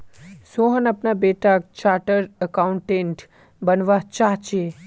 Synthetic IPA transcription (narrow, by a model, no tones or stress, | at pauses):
soɦənəpnabeʈak̚t͡ʃaʈəɾəkauɳʈẽɳʈ | bənʋat͡ʃaɦt͡ʃe